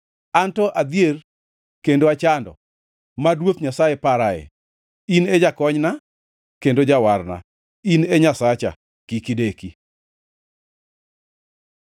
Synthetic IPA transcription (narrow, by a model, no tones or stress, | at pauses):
antɔʔad̪ier | kendoat͡ʃandɔ̰ | madwot̪ɲasajepaɾaɛ̰ | ined͡ʒakɔɲna | kendod͡ʒawarna̰ | ineɲasat͡ʃa̰ | kikideki